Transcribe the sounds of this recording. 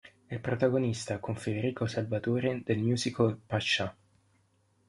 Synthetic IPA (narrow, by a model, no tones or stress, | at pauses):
ilpɾot̪aɡonist̪akoɱfed̪eɾiːkosalvat̪oːɾed̪elmjuːzikolpat͡ʃːa